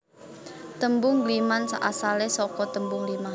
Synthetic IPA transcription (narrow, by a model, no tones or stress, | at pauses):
t̪əmbʊŋlimansa̰ʔasalesɔkɔt̪əmbʊŋlima